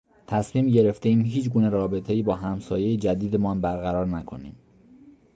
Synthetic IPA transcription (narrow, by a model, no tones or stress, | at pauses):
t̪ʰæsmiːmɟe̞ɾe̞ft̪e̞iːmɦiːt͡ʃɡuːne̞ɾɒːbe̞t̪ʰe̞iːbɒːɦæmsɒːje̞jed͡ʒæd̪iːd̪emɒːnbæɾɣæɾɒːɾnækʰo̞̰nḭːm